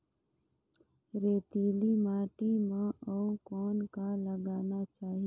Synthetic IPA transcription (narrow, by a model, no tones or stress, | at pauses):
ɾeːt̪iːlimaːʈimãʔɔukɔːnkaləɡaːnat͡ʃaːɦi